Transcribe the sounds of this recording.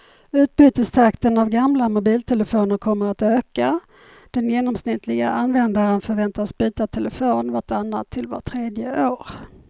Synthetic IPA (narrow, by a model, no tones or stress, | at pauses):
ʉ̟ːt̪̚byːt̪əst̪ʰakt̪ənavɡamlamʊbiːlt̪ʰɛləfoːnəɾkʰɔmːəɾat̪øːka | d̪̥ɛnjeːnɔmsnɪt̪ʰlɪɡa̰ʔanvɛnd̪aɾənfœɾvɛnt̪asbyːt̪at̪ʰɛləfoːnvaʈʰanːa̰t̪ʰːɪlva̰ʈʰɾeːd̪jəʔoːɾ